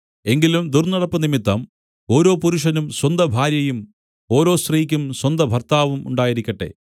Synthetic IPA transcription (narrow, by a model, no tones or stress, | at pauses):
e̞ŋɡilumd̪urnɐɽɐpːɐnimit̪ːɐm | o̞ːɾo̞ːpuɾuʂɐnumswɐnd̪ɐbʱaːɾjɐjum | o̞ːɾo̞ːsriːikʲːumswɐnd̪ɐbʱɐrt̪aːʋumṵɳɖaːjiɾikʲːɐʈːḛ